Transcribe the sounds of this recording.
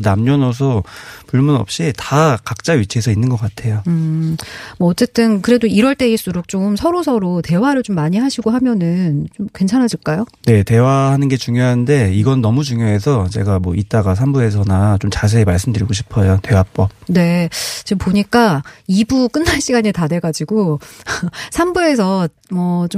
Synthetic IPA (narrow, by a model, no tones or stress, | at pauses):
namɲʌnʌs̬ʰʌpuɭmunʌ̰p̚ɕ͈itakak̚t͡ɕ͈aɥit͡ɕʰiesʰʌinːɯnɡʌk͈atʰe̞joɯ | mʌːt͡ɕ͈e̞t͈ɯnkɯɾe̞doiɾwʌɭt͈e̞iɭs͈uɾok̚t͡ɕ͈omsʰʌɾosʰʌɾote̞waɾɯɭt͡ɕomːaɲiɦaɕʰiɡoɦamjʌnɯnt͡ɕomkwe̞nt͡ɕʰanɦaɕʰiɭk͈ajone̞te̞wahanɯnɡe̞t͡ɕuŋjoɦande̞iɡʌnːʌmud͡ʑuŋjoɦe̞sʰʌt͡ɕe̞̰ɡamwʌit̚t͈aɡasʰambue̞s̬ʰʌnat͡ɕomt͡ɕas̬ʰeːmaɭs͈ɯmdɯɾiɡoɕʰi̥pʰʌjote̞wap͈ʌb̚ne̞t͡ɕepoɲik͈aibuk͈ɯnːaɭɕ͈ʰiɡaɲitade̞ɡad͡ʑiɡo | sʰambue̞s̬ʰʌ | mʌt͡ɕo